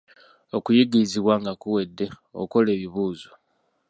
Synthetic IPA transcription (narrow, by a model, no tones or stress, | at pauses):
okujiɡiiziβwaŋɡakuwe̞dːe̞ | o̰ko̞le̞ːβiβuːzo̥